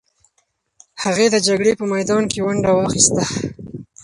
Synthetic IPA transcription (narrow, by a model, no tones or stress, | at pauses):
haɣed̪əd͡ʒaɡɽepəmajd̪ɑnkewaɳɖawɑxist̪a